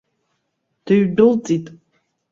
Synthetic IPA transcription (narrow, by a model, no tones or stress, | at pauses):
d̥ɨɥdɨlt͡sʼitʼ